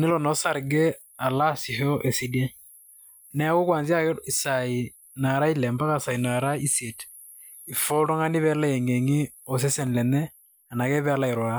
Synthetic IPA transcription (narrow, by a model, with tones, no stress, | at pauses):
ne˦lɔ˨nɔ˨˦sa˦ɾɡɛ˦ | a˨la˦si˨ho˦ʔe˨si˦de˦ | nɛ˦a˦ko˦kwa˨nzja˦ki˨sa˨i˨ | na˨ɾa˦i˦lɛ˨mba˦ka˦sa˨i˨na˨ɾa˦i˦se˨t | i˨fɔ˦lo˦ŋa˦ni˦βɛ˦la˦e˨ŋɡe˨ŋi˦ | o˨s̬e˦sɛ˨n˨lɛ˨nɛ˦ | a˨na˨kɛ˦βɛ˦a˦la˦e˨ɾwa˨˦